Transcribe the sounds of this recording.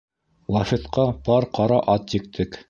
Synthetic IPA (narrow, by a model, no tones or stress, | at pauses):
lˠɑfit̪qɑpɑɾqɑɾɑʔɑt̪jɘ̆k̚t̪ʰɘk